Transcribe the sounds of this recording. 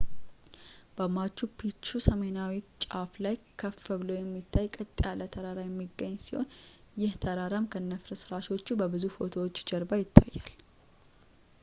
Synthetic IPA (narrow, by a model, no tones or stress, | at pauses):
b̥əmat͡ʃːupʰit͡ʃːusəme̞nawit͡ʃʼaflajkʰəfəβlowjɛmːit̪ʰːajkʼət̪ʼːjalət̪ʰəɾaɾajɛmːiɡəɲːsi̥ho̞̰n | jɪht̪ʰəɾaɾəmkʰənːəfɾəsɨɾaʃot͡ʃːubəbɨzufo̞t̪ʰowot͡ʃːd͡ʒəɾbajɪt̪ʰːajːal